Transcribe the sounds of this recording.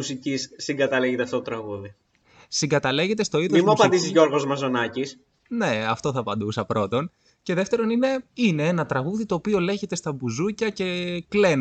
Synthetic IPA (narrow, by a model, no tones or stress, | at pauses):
usicisːiŋɡɐt̪ɐleʝet̪eɐft̪o̞t̪ot̪ɾɐɣuði | siŋɡɐt̪ɐle̞ʝe̞t̪e̞st̪o̞iðmomisnmuɐpɐnd̪isizʝo̞ɾɣo̞zmɐzo̞nɐcis | ne̞ɐft̪o̞θɐpɐnd̪usɐpɾo̞t̪o̞n | ce̞ðe̞ft̪e̞ɾo̞nine̞ine̞enɐt̪ɾɐɣuðit̪o̞ːpio̞le̞çe̞t̪e̞st̪ɐbuzucɐce̞kle̞n